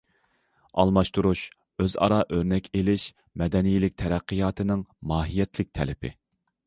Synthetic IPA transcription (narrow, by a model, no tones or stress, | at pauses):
ɑ̰lˠmɑʃt̪uɾuʃ | øzɑ̰ɾɑʔøɾnɛkʲʰelɪʃ | mɛd̪ɛnijilɪk̚ʲt̪ʰɛɾæqʰːɨjɑːt̪ʰɨnɪŋmɑːɦijɛt̪ʰlɪk̚ʲt̪ʰɛ̰lɪpʰɪ̰